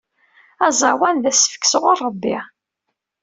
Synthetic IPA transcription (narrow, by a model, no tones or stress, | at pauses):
æzˤəwænðæsfə̥kːsʁʊrˤːəbːi